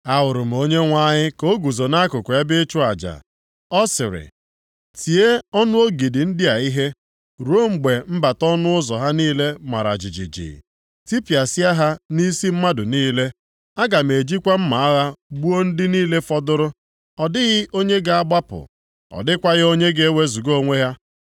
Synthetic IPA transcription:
a˦wʊ˨ɾʊ˨m̩˨o˦ɲe˦ŋʷa˦ɲɪ˦ko˦ɡu˨zo˨na˦kʊ˨kʷe˦bɪ˦t͡ʃʊ˦a˨d͡ʒa̰˨ | ɔ˦sɪ˨ɾɪ̰˨ | ti˨e˦ɔ˦nʊ˦o˦ɡi˨dɪ˨n̩˦dɪ˦a˨i˦ɦe˦ | ɾo˦ŋ͡m̩˨ɡ͡be˨m̩˦ba˨tɔ˦nʊ˦ʊ˦zɔ˨ɦa˦niː˦le˦ma̰˨ɾa̰˨d͡ʒɪ˨d͡ʒḭ˨d͡ʒḭ˨ | ti˦pi˨a˨si˦a˦ɦa˦ni˦si˦m̩˦ma˦dʊ˨niː˦le˦ | a˦ɡa˨m̩˨e˨d͡ʒi˦kʷa˦m̩˦ma˨a˦ɣa˦ɡ͡bu˦o˦n̩˦dɪ˦niː˦le˦fɔ˦dʊ˦ɾʊ˦ | ɔ˨dɪ˦ɣɪ˦o˦ɲe˦ɡa˨a˦˨ɡ͡ba˦pʊ̰˨ | ɔ̰˨dɪ˦kʷa˦ɣɪ˦o˦ɲe˦ɡe˦e˦we˦zu˨ɡo˦ŋʷe˦ɦja˦

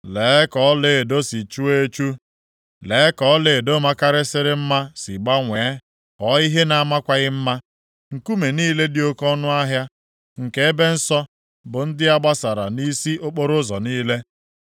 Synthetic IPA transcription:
leː˨˦kɔ˨˦le˨do˦si˨t͡ʃu˦e˦t͡ʃu˦ | leː˨˦kɔ˨˦le˨do˦ma˦ka˦ɾɪ˦sɪ˦ɾɪ˦m̩˦ma˦si˨ɡ͡ba˦ŋʷe˨˦ | kɔ˦i˦ɦe˦na˨a˦ma˦kʷa˦ɣɪ˦m̩˦ma˦ | ŋ̩˨ku˦me˨niː˦le˦dɪ˨˦o˦kɔ˦nʊ˦a˦ɦja˦ | ŋ̩˨ke˦e˦be˦n̩˦sɔ˦ | bʊ˨n̩˦dɪ˦a˦ɡ͡ba˦sa˨ɾa̰˨ni˦si˦ʔo˦k͡po˦ɾʊ˦zɔ˨niː˦le˦

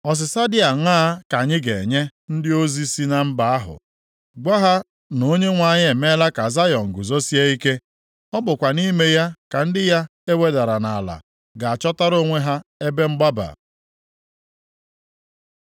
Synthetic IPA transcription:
ɔ˨s̬ɪ˨sa˦dɪ˦a˨ŋʷ˦aː˦ka˨ɲɪ˦ɡe˨ɲe˦n̩˦dɪ˦o˦zi˦si˦na˨m̩˦ba˨a˦ɦʊ̰˨ | ɡa˦ɦa˦ | no˦ɲe˦ŋʷa˨ɲɪ˦e˨me˦la˦ka˨za˦jɔ˨ŋ̩˨ɡʊ˨zo˦si˦e˦i˦ke˦ | ɔ˦bʊ˨kʷa˨ni˦me˦ja˦ka˨n̩˦dɪ˦ja˦e˦we˨da˨ɾa˨na˨a˨la̰˨ | ɡa˨a˨t͡ʃɔ˦ta˦ɾo˦ŋʷe˦ɦa˦e˦be˦ŋ͡m̩˦ɡ͡ba˦ba̰˨

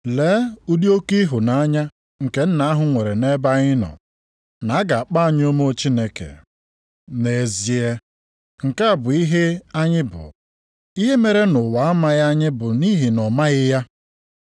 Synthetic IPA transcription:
leː˨˦u˦di˦o˦ki˦ɦʊ˨na˨˦a˦ɲa˦ | ŋ̩˨ke˦n̩˦na˦a˦ɦʊ˨ŋʷe˨ɾe˨ne˦ba˦ɣɪ˦nɔ̰˨ | na˨˦a˦ɡa˨a˨k͡pa˦a˨ɲ˦o˦mo˦t͡ʃi˦ne˦kḛ˨ | ne˨zi˨e˦ | ŋ̩˨ka˦a˨bʊ˨i˦ɦe˦a˦ɲɪ˦bʊ̰˨ | i˦ɦe˦me˨ɾe˦nʊ˨wa˨a˦ma˦ɣa˦a˦ɲɪ˦bʊ˨ni˦ɦi˨nɔ˨ma˦ɣɪ˦ja˦

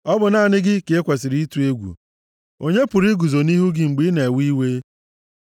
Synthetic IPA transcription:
ɔ˦bʊ˨na˦˨nɪ˦ɡɪ˦ke˦kʷe˨sɪ˨ɾi˦tu˨e˦ɡʷṵ˨ | o˦ɲe˦pʊ˨ɾi˦ɡu˨zo˨ni˦ɦu˦ɡɪ˦ŋ͡m̩˨ɡ͡bi˦ne˨wi˦we˦

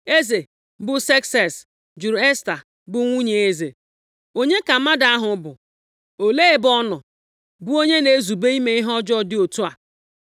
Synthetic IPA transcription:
e˦ze˨ | bʊ˦sɛ˦ksɛ˨s | d͡ʒu˨ɾe˦sta˨ | bʊ˦ŋʷu˦ɲe˨e˦ze˨ | o˦ɲe˦ka˨˦ma˦da˨˦a˦ɦʊ˨˦bʊ˨ | o˨le˦e˦bɔ˦nʊ˨ | bʊ˦o˦ɲe˦ne˨˦zu˨be˦i˦me˦i˦ɦɔ˦d͡ʒɔ˦˨dɪ˦o˨tu˦a˨

